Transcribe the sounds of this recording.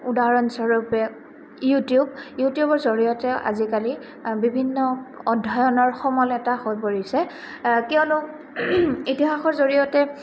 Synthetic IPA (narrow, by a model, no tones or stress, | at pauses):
udaɹɔnsɔɹupɛ | jutijubjutijubɔɹzoɹijɔtɛʔa̰zikali | bibʱinːɔɔdʱːajɔnɔɹxɔmɔlɛtahojpoɹisɛ | kɛʊ̃lʊ | itiɦaxɔɹzoɹijɔtɛ